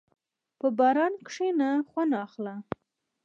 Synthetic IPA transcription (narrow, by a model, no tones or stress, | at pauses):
pəbɑɾɑnkʂenaxwanɑːxla